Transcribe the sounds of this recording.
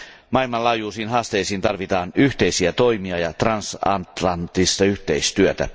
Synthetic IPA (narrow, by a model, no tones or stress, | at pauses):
mɑilmɑlɑːjuːsiːnɦɑːst̪e̞jsiːnt̪ɑrʋit̪ɑːnyht̪e̞jsiæt̪o̞jmiɑjɑt̪rɑnsɑ̰nt̪lɑnt̪ist̪ɑyht̪eist̪yøt̪æ̰